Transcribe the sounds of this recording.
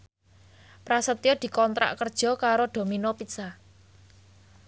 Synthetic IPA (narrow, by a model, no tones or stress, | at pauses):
pɾasət̪ijɔd̪̥i̤kɔnt̪ɾa̰ʔkərd̥ʒ̥ɔ̤kaɾoɖ̪̥o̤minopit̪sa